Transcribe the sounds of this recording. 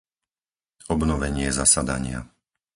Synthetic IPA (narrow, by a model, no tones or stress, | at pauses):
ɔbnɔʋɛɲɪɛzasad̪a̰ɲɪa̰